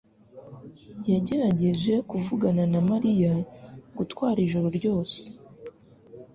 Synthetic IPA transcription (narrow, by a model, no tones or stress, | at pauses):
jaɟe̞ɾaɟe̞ʒe̞kuvuɡananamaɾijaɡutwaːɾiʒuɾoɾɟo̞ːse̥